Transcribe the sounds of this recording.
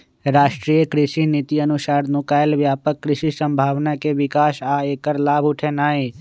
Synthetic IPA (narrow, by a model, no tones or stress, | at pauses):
ɾaːʃʈɾiːjəkɾɪʃinit̪iənʊʃaːɾnukaːjlʋjaːpəkːɾɪʃisə̃mbʱaːʋnakeʋɪkaːʃaeːkəɾlaːbʱʊʈʰenaːi